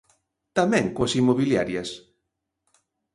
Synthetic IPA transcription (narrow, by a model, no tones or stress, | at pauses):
t̪amɛ̃ŋkoɐsimoβilja̰ɾjɐs